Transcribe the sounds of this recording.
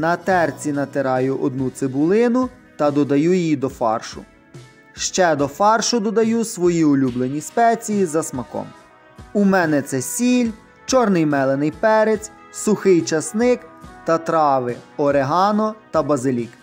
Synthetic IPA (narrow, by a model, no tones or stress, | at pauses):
nɐt̪ɛrt͡sʲinɐt̪ɪɾɑjʊʔɔd̪̚nut̪sɪbʊlˠɪnʊt̪ɐd̪ɔd̪ɐjujjid̪ɔfɑ̰rʃʊ̰ | ʃt͡ʃɛd̪ɔfɑrʃʊd̪ɔd̪ɐjusʋɔjiʊlʲublˠenʲispɛt͡sʲijizɐsmɐkɔ̰m | umɛnɛt̪sɛsʲilʲ | t͡ʃɔrnɪjmɛlˠenɪjpɛɾet͡sʲ | sʊxɪjt͡ʃɐsnɪkt̪ɐt̪ɾɑʋɪɔɾeɦɑnɔt̪ɐbɐzɪlʲik